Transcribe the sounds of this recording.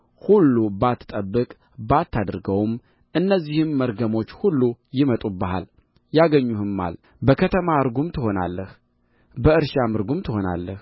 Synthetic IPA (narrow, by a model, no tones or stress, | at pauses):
hulːubat̪ʰːɨ̥t̪ʼəbːɨkʼ | bat̪ːad̪ɾɡəwm | ʔɨnːəzːihɨmːəɾɡəmo̞t͡ʃːhulːujɪmət̪ʼubːəɦa̰l | jaɡəɲːuhɨmːa̰l | bəkʰət̪ʰəmaɨɾɡumt̪ʰɨho̞na̰lːəh | bəɨɾʃamɨɾɡumt̪ʰɨho̞na̰lːəh